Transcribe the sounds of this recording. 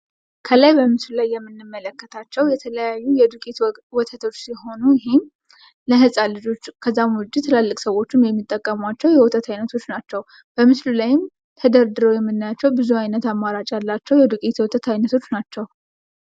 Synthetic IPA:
kʰəlajbəmɨslulajːɛmːɨnːɨmːələkːət̪ʰat͡ʃːɛwjɛt̪ʰələjajːujɛd̪ukʼit̪ | wɔt̪ʰət̪ʰo̞t͡ʃːsiɦo̞nujɪɦem | ləɦɨsʼalɨd͡ʒo̞t͡ʃːkʰəzːamwʊd͡ʒːit̪ʰɨlalːɨkʼsəwo̞t͡ʃːɪmjɛmːit̪ʼːəkʼːəmwat͡ʃːɛwjɛwɔt̪ʰʼət̪ʰajnət̪ʰo̞t͡ʃːnat͡ʃːɛw | b̥əmɨslulajɪm | t̪ʰəd̪əɾd̪ɨɾo̞jɛmːɨnːajat͡ʃːɛwbɨzuajnət̪amːaɾat͡ʃʼjalːat͡ʃːɛwjɛd̪ukʼit̪wɔt̪ʰət̪ʰajnət̪ʰo̞t͡ʃːnat͡ʃːɛw

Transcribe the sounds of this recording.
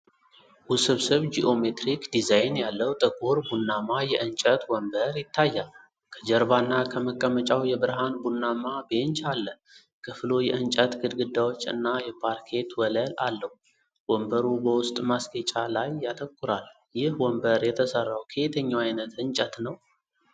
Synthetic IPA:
wʊsɨβsɨβd͡ʒiʔomet̪ɾikd̪izajnjalːəwt̪ʼəkʼoɾbunːamajɛʔɨnt͡ʃʼət̪wɔmbəɾjɪt̪ʰːajːal | kʰəd͡ʒɛɾbanːakʰəməkʼːəmət͡ʃʼawjɛbɨɾɦanbunːamabent͡ʃalːə | kʰɨflo̞jɛʔɨnt͡ʃʼət̪ɡɨd̪ɡɨd̪ːawo̞t͡ʃːɨ̰nːajɛpʰaɾkʰe̞t̪wɔləlalːəhu | wɔmbəɾubəwʊst̪ʼmasɡet͡ʃʼalajːat̪ʼəkʼːuɾal | jɪhwɔmbəɾjɛt̪ʰəsərːawkʰet̪ʰəɲːawajnət̪ɨnt͡ʃʼət̪nəw

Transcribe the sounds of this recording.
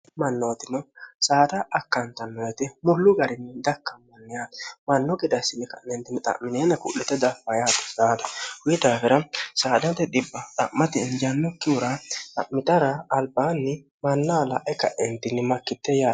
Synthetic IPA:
mɐnːɔt̪ɪnɔsaːd̪ɐʔːkːɐnt̪ɐnːɔjɛt̪ɪmʊlːʊɡɐɾɪnːɪd̪ɐkːɐmːɐnːɪjaːt̪mɐnːɔɡɛd̪ɐsːɪnːɪkɐ̰ʔɛnt̪ɪnːɪt̪ʼɐ̰ʔmɪneːnɐkʊ̰ʔːɛt̪ːɛd̪ɐfːɐjaːt̪ɐ̥saːd̪ɐhʊjɪd̪aːfɛɾɐsaːd̪ɐnt̪ːɛd̪ɪbːɐt̪ʼɐ̰ʔmːɐt̪ɛnd͡ʒɐnːɔkːɪʊɾat̪ʼɐ̰ʔmɪt̪ɐɾɐːlbaːnːɪ | mɐnːaːlɐ̰ʔɛkɐʔɛnt̪ɪnːɪmɐkːɪt̪ːɛjaː

